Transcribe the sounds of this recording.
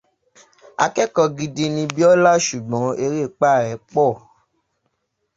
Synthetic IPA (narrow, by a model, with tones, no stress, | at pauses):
a˧kɛ˦kɔ˧ɡi˧di˧nĩ˧bi˦ɔ˦la˦ʃu˨ɡ͡bɔ̃˨˦e˧ɾe˦˨k͡pa˦˨ɾɛ˨˦k͡pɔ˦˨